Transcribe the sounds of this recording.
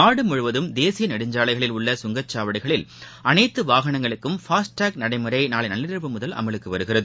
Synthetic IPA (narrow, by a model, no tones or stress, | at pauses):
aːɽɯmʊɻɯʋɐðɯmd̪eːsɪjɐnɛɽɯɲd͡ʒaːɭɐɪɣɐɭɪlʊɭːɐsʊŋɡɐt͡ʃːaːʋɐɽɪɣɐɭɪl | ʔɐnɐɪt̪ːɯʋaːɣɐɳɐŋɡɐɭɯkːɯmfaːsʈaːk̚nɐɽɐɪmɯɾɐɪnaːɭɐɪnɐlːɪɾɪɾɯʋɯmʊðɐlʔɐ̰mɐɭɯkːɯʋɐɾɯɣɪrɐðɯ